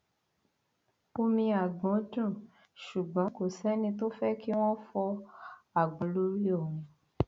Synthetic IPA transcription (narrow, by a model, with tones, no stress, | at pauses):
o˧mĩ˧a˨ɡ͡bɔ̃˨˦d͡ʒũ˦˨ | ʃu˨ɡ͡bɔ̃˨˦ko˨sɛ˦nĩ˧t̬o˦fɛ˦ki˦w̃ɔ̃˦fɔ˧a˨ɡ͡bɔ̃˨˦lo˦ɾi˦o˦˨ũ˨˦